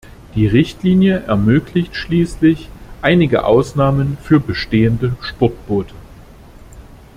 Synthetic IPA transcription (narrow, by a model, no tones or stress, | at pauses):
d̥iːʁɪçtliːnjəʔɛɐmøːklɪçtʃliːslɪçʔaɪnɪɡə̰ʔa̰ʊsnaːmənfyːɐbəʃteːəndəʃpʊt̚b̥oːtʰə